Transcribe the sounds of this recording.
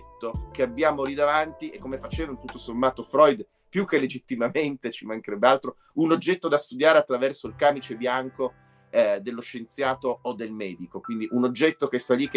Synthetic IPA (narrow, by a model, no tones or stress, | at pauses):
t̪ːokeabːjaːmolid̪avant̪iʔekːomefat͡ʃeːvanot̪ut̪ːosomːaːt̪ofɾɔjd̪ | pjukːelːed͡ʒit̪ːimament̪et͡ʃimaŋkeɾɛbːealt̪ɾo | unod͡ʒːɛt̪ːod̪ast̪ud̪jaːɾeat̪ːɾavɛrsoilkaːmit͡ʃebjaŋko | d̪elːoʃːent̪sjaːt̪oːd̪ːelmɛːd̪ikokwind̪iʔunod͡ʒːɛt̪ːokest̪alːikː